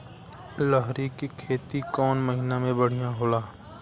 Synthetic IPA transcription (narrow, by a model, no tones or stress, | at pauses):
ləɦɾikikʰeːt̪ikɔːnməɦɪnamẽbəɽ̤ijãɦoːlaː